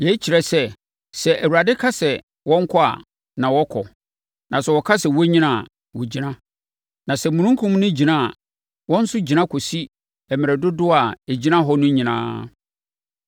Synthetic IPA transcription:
jɛ˦t͡ɕʰi˨ɾɛ˨sɛ˦ | sɛ˨ʔæ˨wu˨ɾa˨dɪ˦kʰa˦sɛ˨ | wɔ̃˦ŋ̩˦kʰɔ˦a̰˨ | nã˨wɔ˦kʰɔ˨ | nã˨sɛ˨wɔ˨kʰa˦sɛ˨wɔ˦ɲĩ˦nã˦˨ | wɔ˨d͡ʑi˨nã˦ | nã˨sɛ˨mũ˨ñũ˦ŋ˦kʰũ˦m˦nʊ̃˦d͡ʑi˨nã˦˨ | wɔ̃˦n̩˦sʊ˦d͡ʑi˨nã˦kʰɔ˨si˦ | ɛ˨mɪ̃˨ɾɛ˨dʊ˦dʊ˦a˨e˨d͡ʑi˦nã˦ɦɔ˦nʊ̃˦ɲĩ˨nã̰ː˦

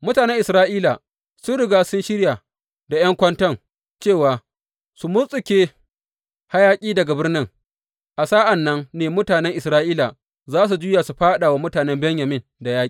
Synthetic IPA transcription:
mʊ˦taː˨nɛ˦ŋʔɪ˨sɾaː˦ʔiː˦la˨ | sʊ˦nɽʊ˨ɡaː˦sʊ˦nʃɪ˦ɽja˨ | da˨j̰ɐ˦ŋkʷɐ˦ntɐ˦ŋ | t͡ʃeː˦˨waː˨ | su˨mʊ˦sʼɪ˨kʲeː˦ | ha˦jaː˦kʲʼiː˦dɐ˨ɡa˨bɪ˦rnɪ˦ŋ | ʔa˨saː˦ʔa˨nːɐ˦ŋneː˨mʊ˦taː˨nɛ˦ŋʔɪ˨sɾaː˦ʔiː˦la˨ | zaː˦s̬u˨d͡ʒuː˦ja˨su˨ɸaː˦ɗa˨wa˦mʊ˦taː˨nɛ˦mbɛ˦ɲja˨mɪ˦nda˨jaː˦i˨

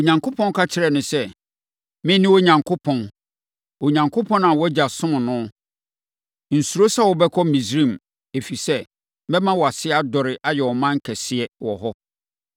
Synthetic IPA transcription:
o˨ɲã˨ŋkʰo˦pʰɔ̃˦n˦kʰa˦t͡ɕʰɪ˦ɾɛ˨nʊ̃˨sɛ˦ | mɪ̃˦nɪ̃˦wo˦ɲã˨ŋkʰo˦pʰɔ̃˨n | o˨ɲã˨ŋkʰʊ˦pʰɔ̃˦nã˨wɔ˦d͡ʑa˨sʊ̃˦m̃˨nʊ̃˦ | n̩˨su˨ɾo˦sa˦wɔ˨bɛ˦kʰɔ˦mĩ˨sɾĩ˦˨m | e˨fi˨sɛ˦ | bɛ˦mã˦wɔ˨a˨sɪ˦a˦dɔ˨ɾɪ˨ʔa˦jɛ˨wɔ˨mã˦ŋ̩˦kʰɛ˨sɪ˦ɛ˦wɔ̰˨ɦɔ˦

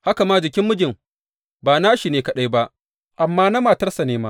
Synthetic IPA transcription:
ha˦ka˨maː˦d͡ʒɪ˨kʲɪ˦mːʊ˦d͡ʒɪ˨m | baː˨naː˦ʃi˨neː˨kɐ˨ɗa˦jba˦ʔ | ʔa˨mːaː˦na˦maː˨tɐ˦rsa˨neː˦ma˦

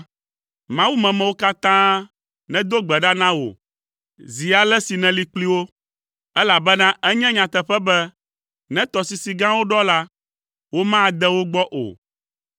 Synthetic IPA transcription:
mã˦wu˦mɛ̃˨mɛ̃˨wo˦ka˦t̪ã˦ | nɛ̃˦d̪o˦ɡ͡bɛ˨ɖa˦nã˦wo̰˨ | zi˨a˨lɛ˦si˨nɛ̃˨li˨k͡pli˦wo˦ | ɛ˦la˨bɛ˦nã˦ʔɛ˦ɲɛ̃˦ɲã˨t̪ɛ˨ɸɛ˦bɛ˦ | nɛ̃˦t̪ɔ˨si˨si˨ɡã˦wo˦ɖɔ˦la˦ | wo˦mã˦˨d̪ɛ˦wo˦ɡ͡bɔ˦ʔo̰˨

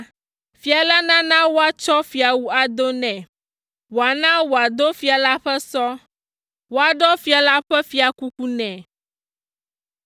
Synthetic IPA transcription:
fi˨a˨la˦nã˦nã˦wo˦a˦t͡ʃɔ˦fi˨a˨wu˦a˨d̪o˦nɛ̃˨ | wo˨a˨nã˦wo˨a˨d̪o˦fi˨a˨la˦ɸɛ˦sɔ˦ | wo˦a˨ɖɔ˦fi˨a˨la˦ɸɛ˦fi˨a˨ku˦ku˦nɛ̃˨

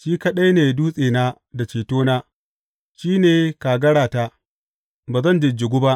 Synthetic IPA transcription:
ʃiː˦kɐ˦ɗɐ˦jneː˨duː˦sʼeː˨naː˦ | da˨t͡ʃeː˨toː˦naː˦ | ʃiː˦neː˨kaː˨ɡɐ˦ɽaː˨ta˦ | baː˨zɐ˦nd͡ʒɪ˨d͡ʒɪ˨ɡʷʊ˦ba˦ʔ

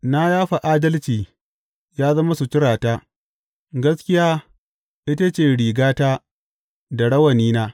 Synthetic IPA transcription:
na˦jaː˦ɸa˨ʔaː˦dɐ˦lt͡ʃiː˨ | jaː˦zɐ˦ma˦su˨t͡ʃɪ˦ɽaː˨taː˦ | ɡɐ˦skʲɪ˦jaː˦ | ʔɪ˦ta˦t͡ʃeː˦˨ɽiː˨ɡaː˦taː˦ | da˨ɽɐ˦wɐ˨niː˦naː˦

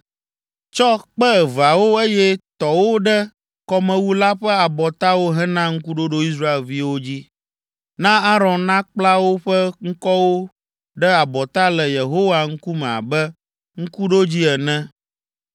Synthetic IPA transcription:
t͡ʃɔ˦k͡pɛ˦ɛ˨va˨wo˦e˦jɛ˦t̪ɔ˨wo˦ɖɛ˦ | kɔ˦mɛ̃˨˦wu˦la˦ɸɛ˦a˨bɔ˨t̪a˦wo˦ɦɛ̃˦nã˦ŋ̩˦ku˦ɖo˦ɖo˦i˦s̬ɾa˦e˨lvi˦wo˦d͡ʑi˦ | nã˦a˦ɾɔ̃˨nnã˦k͡pla˦wo˦ɸɛ˦ŋ̩˦kɔ˦wo˦ | ɖɛ˦a˨bɔ˨t̪a˦lɛ˨je˨ɦo˦wa˨ŋ̩˦ku˦mɛ̃˨a̰˨bɛ˦ | ŋ̩˦ku˦ɖo˦d͡ʑi˦ɛ˨nɛ̃˦

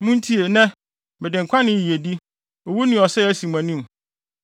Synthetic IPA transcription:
mũ˦n˦tʰi˦e˨nɛ̃˦ | bɛ˨dɪ̃˨ŋ˨kʰʷã˦nɪ̃˦˨ji˨e˨di˦ | o˨wu˦nɪ̃˦˨ɔ˨sɛ˦æ˦si˨mã˨nĩ˦m

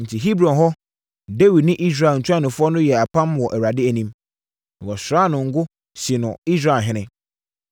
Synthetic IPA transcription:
n̩˨tʰi˨ɦi˦bɾɔ̃˨nɦɔ˦ | de˦wi˨dnɪ̃˦ʔi˦s̬ɾa˨n̩˨t͡ɕʰʊ˦a˦nʊ̃˨fʊ˦ɔ˦nʊ̃˦jɛ˨a˨pã˦mwɔ˨ʔæ˨wɾa˨dɪ˦æ˨nĩ˦m | nã˨wɔ˨sɾaː˦nʊ̃˨ŋ̩˦ɡʊ˦ | ɕɪ˨nʊ̃˨i˦s̬ɾa˨lɦɪ̃˦nɪ̃˦

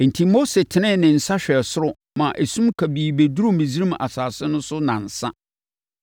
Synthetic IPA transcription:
n̩˨tʰi˦mo˦se˨tʰɪ˨nɪ̃˦˨nɪ̃˨n̩˨sa˦ɕᶣɛ˨sʊ˦ɾʊ˨ | mã˨ʔe˨sũ˦mkʰa˨biː˨be˨du˦ɾu˦mĩ˨zi˦ɾĩ˦ma̰˨saː˨sɪ˦nʊ̃˦sʊ˦nã̰˨n̩˨sa̰˦

